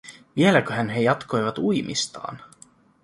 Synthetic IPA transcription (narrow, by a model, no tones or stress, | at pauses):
ʋie̞lækøɦænɦe̞jɑt̪kʰo̞jʋɑt̪ujmʔḭst̪ɑ̰ːn